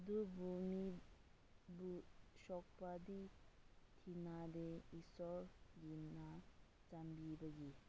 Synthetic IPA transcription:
dubʱumi | buʃɔk̚padi | tʰinadeisɔɾɡinna | t͡ʃambibɐɡi

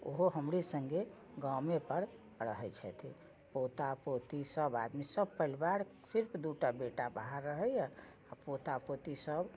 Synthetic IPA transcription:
oɦoɦəmɾesəŋɡe | ɡəmepəɾ | ɾəɦɛjt͡ʃʰɛt̪ʰi | pot̪apot̪isəba̰d̪misəb̚pəilbaɾ | siɾpʰd̪uʈabeʈabaɦaɾːəɦɛjɛ | apot̪apot̪isəb

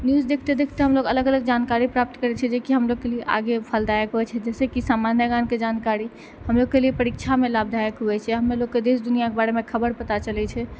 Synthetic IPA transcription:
njuzd̪ekʰt̪ed̪ekʰt̪eɦəmloɡələɡələɡ̚d͡ʒankaɾipɾap̚t̪kəɾɛt͡ʃʰɛd͡ʒekiɦəmloɡ̚kelieʔa̰ɡepʰəld̪ajəkɦuɛt͡ʃʰɛd͡ʒɛsekisamanjəɡanked͡ʒankaɾi | həmloɡ̚kːeliepəɾikt͡ʃʰamelabd̪ʱajəkɦuɛt͡ʃʰɛɦəmːeloɡkːed̪esd̪unijakebaɾemekʰəbəɾpət̪at͡ʃəlɛt͡ʃʰɛ

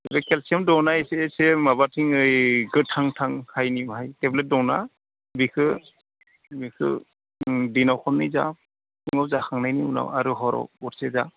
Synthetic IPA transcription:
ebekelsiamdɔwnaesesemabatʰiŋɯjɡɯtʰaŋtʰaŋhajnimɦajteblet̚dɔwna̰ | bikʰɯ | bikʰɯ̰ | dinawkʰɔmnːiza̰ | uŋawzakʰaŋnajniuna̰waɾuɦɔɾɔ̰wɔɾseza

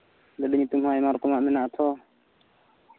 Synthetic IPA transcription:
ləɗiɲt̪umhajmaɾkɔmaʔmɛnaʔt̪ʰɔ

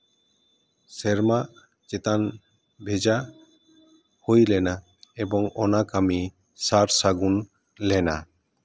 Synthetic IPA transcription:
sɛɾma | t͡ʃet̪an | bʱed͡ʒa | hojlɛna | ebɔŋɔnakami | saɾsaɡun | lɛna

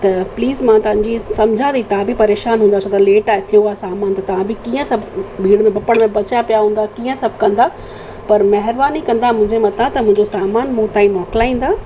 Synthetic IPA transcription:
t̪ɐpliːzmãt̪ɐʋ̤ãɲd͡ʑisɐmd͡ʑʱãd̪it̪ɐʋãbʱipɐɾeːʃaːnɦũːnd̪at͡ɕʰot̪ɐleːʈaːet̪ʰijoaːesaːmaːnt̪ɐt̪ɐʋ̤ãbʱɪkiːə̃sɐbʱbʱiːɽmẽbɐpəɽ̃mẽbɐt͡ɕjapijaɦũːn̆d̪akiːə̃sɐbʱkɐ̃nd̪a | pɐɾmɐɦɪɾbaːnikɐ̃nd̪amʊ̃ɦɪ̃ɲd͡ʑemɐt̪ãt̪ɐmʊ̃ɦɪ̃ɲd͡ʑosaːmaːnmũt̪ãːĩmɔːklaːĩːn̆d̪aː

